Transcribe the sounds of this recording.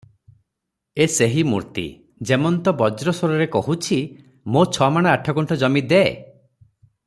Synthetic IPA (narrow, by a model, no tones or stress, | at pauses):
eseɦimṵɾt̪ḭ | d͡ʒemɔnt̪ɔbɔd͡ʒɾɔsoɾɔɾekɔɦut͡ʃʰi | mot͡ʃʰɔmaɽ̃aaʈʰɔkuɳʈɔd͡ʒɔmid̪e